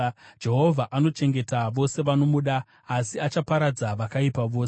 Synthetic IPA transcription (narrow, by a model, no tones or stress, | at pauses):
d͡ʒe̞ɦo̞vʱaʔano̞t͡ʃe̞ŋɡe̞taʋo̞se̞ʋano̞muɗaː | siat͡ʃapaɾad͡zaʋakaipaʋo̞ːse